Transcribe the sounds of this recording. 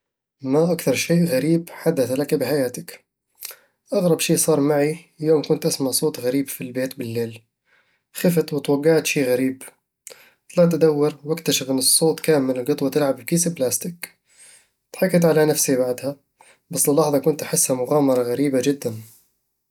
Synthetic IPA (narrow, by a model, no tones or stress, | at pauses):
maʔakθɑɾˤʃiːʔɣaɾiːbħad̪ːaθlakabɪħajaːt̪ɪk | ʔaɣɾˤɑbʃiːsˤɑːɾˤmaʕi | ljoːmkʊnt̪ʔasmaʕsˤoːt̪ɣaɾiːbfilbeːt̪bɪlːeːl | xɪfɪt̪wɪt̪wɑɡːaʕt̪ʃiːɣaɾiːb | t̪ˤlɑʕt̪ad̪awːɪɾwɪkt̪aʃɪfʔɪnːɨsˤːoːt̪ˤkaːmɪllɡɨt̪ˤwat̪ɪlʕabwkiːsɪblaːst̪ɪk | t̪ħɑkːɪt̪ʕalanafsibaʕd̪ha | bɑsːlɪlːɑħðˤɑkʊnt̪ʔaħɪsːhamʊɣaːmɑɾˤɑɣaɾiːbaʒɪd̪ːan